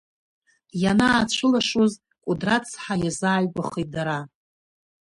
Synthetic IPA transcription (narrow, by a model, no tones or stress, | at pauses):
janaːt͡ɕʷʰʊlaʂuz | kʷʼudrat͡sʰħajazaːjɡʷaχit̚daɾa